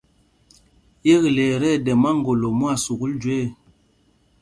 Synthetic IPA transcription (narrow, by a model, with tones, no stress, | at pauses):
je˦ɣi˨le˨ɾɛ˦˨dɛ˨ma˦ŋ˨ɡo˨lo˨mu˦a˦˨su˨ku˦ld͡ʒu˨e˦˨